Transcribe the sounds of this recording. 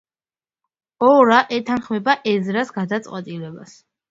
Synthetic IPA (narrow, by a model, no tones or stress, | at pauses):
ɔɾaʔɛt̪ʰanχmɛbaʔɛzɾasɡad̪at̪sʼqʼwɛt̪ʼilɛbas